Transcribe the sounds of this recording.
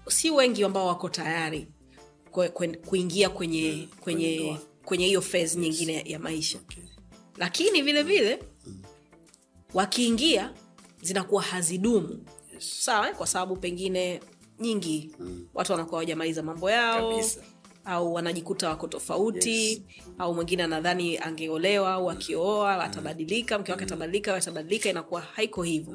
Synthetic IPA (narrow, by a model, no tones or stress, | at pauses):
siwɛŋɡiwambaɔwakɔtajaɾi | kkuiŋɡiakwɛɲɛkwɛɲɛkwɛɲɛhijɔfɛzɲiŋɡinɛjamaiʃa | lakinivilɛvilɛ | wakiːŋɡiazinakuwahaziɗumusawakwasaɓaɓupɛŋɡinɛ | ɲiŋɡiwʔa̰tuwanakuahwaʄamalizamambɔjaɔ | auwanaʄikutawakɔtɔfa̰uti | aumwɛŋɡinɛanaðaniaŋɡɛɔlɛwaauakʰiɔaa̰taɓaɗilikam̩kɛwakɛataɓaɗlikawataɓaɗilikainakuwahaikɔhivɔ